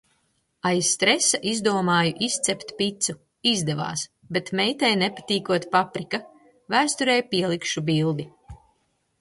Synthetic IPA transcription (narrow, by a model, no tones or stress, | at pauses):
ajst̪ɾesaʔizd̪uɔmaːjuʔist̪sɛpt̪ʲpit̪su | izd̪ɛva̰ːs | bet̪mɛjt̪ɛjnepat̪iːkuɔt̪papɾika | væːst̪uɾɛjpiɛlˠikʃubilˠd̪i